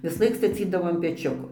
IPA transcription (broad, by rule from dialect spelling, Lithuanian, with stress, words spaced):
ʋʲɪsˈlˠɐɪk stɐˈt͡sʲiːdɐʋoː ɐn pʲɛˈt͡ʃʲʊkoː